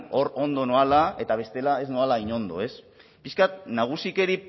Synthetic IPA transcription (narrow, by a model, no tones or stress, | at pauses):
o̞ɾo̞nd̪o̞noalae̞t̪aβ̞e̞st̪e̞lae̞znoalaiɲo̞nd̪o̞̰e̞s | piskat̪̚naɣ̞usike̞ɾi